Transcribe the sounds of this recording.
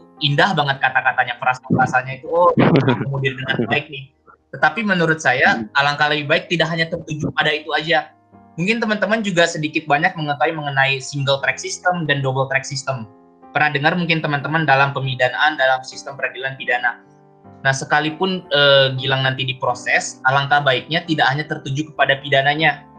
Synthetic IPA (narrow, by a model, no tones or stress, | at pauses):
indahbaŋət̪̚kat̪akat̪aɲapəɾasapəɾasaɲait̪uoamaəmudɪrdəŋanbaɪk̚nɪh | t̪ət̪apimənuɾʊt̪̚sajaːlaŋkalaibaɪk̚t̪idaʔɦaɲat̪ərt̪ud͡ʒupadait̪uad͡ʒa | muŋkɪnt̪əmant̪əmand͡ʒuɡasədikɪt̪̚baɲak̚məŋəkawiməŋənaisiŋɡəlt̪ɾɛksist̪əmdandobəlt̪ɾɛk̚sist̪əm | pərnahdəŋarmuŋkɪnt̪əmant̪əmandalampəmidanaʔːndalamsist̪əmpəɾadilanpidana | nahsəkalipʊnəɡilaŋnant̪idipɾosɛsalaŋkabaɪk̚ɲat̪idakhaɲat̪ərt̪ud͡ʒukəpadapidanaɲa